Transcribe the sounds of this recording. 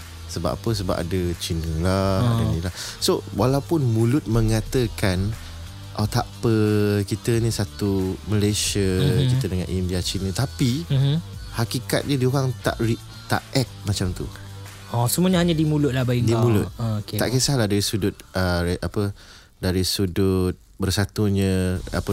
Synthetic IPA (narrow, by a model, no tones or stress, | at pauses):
səba̰pa̰pəs̬əba̰pa̰dət͡ʃinəŋladanilahsowalawpʊnmũlʊt̪̚mə̃ŋãt̪əkan | ʔot̪apəkit̪ənĩsat̪uməleʃəkit̪ədəŋã̰nʔindiat͡ʃinə̃t̪api | hakika̰t̪̚ɲədiuwaŋt̪a̰ʔriʔ | t̪a̰ʔɛk̚mat͡ʃamt̪ṵ | ɔsəmũəɲaɦaɲadimulʊt̪̚lahbaidimũlʊt̪̚okea̰ʔkesahlahdaɾisudʊt̪̚əɾeʔapə | daɾisudʊt̪̚bərsat̪uɲə̃a̰pə